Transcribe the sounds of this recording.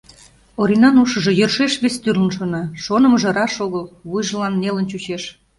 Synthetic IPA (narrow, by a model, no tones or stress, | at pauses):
oɾinɑnuʃə̆ʒĕjərʃeʃβest̪yrlənʃonɑʃonə̆məʒĕɾɑʃoɣəlβujʒə̆lɑnːelənt͡ɕut͡ɕeʃ